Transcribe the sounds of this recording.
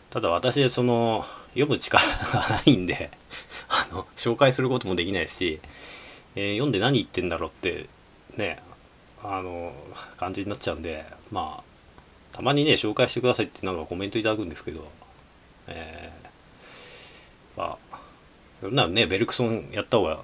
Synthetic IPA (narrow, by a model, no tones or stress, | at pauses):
t̪ad̪aβ̞at̪aɕid̪eso̞no̞jo̞mɯ̟t͡ɕi̥kaɾaɡanaĩnd̪e̞ | ano̞ɕo̞ːkaisɨɾɯ̟ko̞t̪o̞mo̞d̪e̞kʲinaiɕi | jõnd̪e̞naɲ̟iːt̪ːẽ̞nd̪aɾo̞t̪ːe̞̰ | ne̞ | ano̞kãɲ̟d͡ʑiɲ̟inat͡ɕt͡ɕaɯ̟nd̪e̞̰ma̰ː | t̪ʰamaɲ̟ine̞ɕo̞ːkaiɕi̥t̪e̞kɯ̟d̪asait̪ːenãŋkako̞mẽ̞t̪o̞it̪ad̪akɯ̟̃nd̪esɨ̥ke̞d̪o̞ | ḛː | ma̰ | jonãne̞be̞ɾɯ̟kɯ̥sõ̞jʔat̪ːahoːɡa̰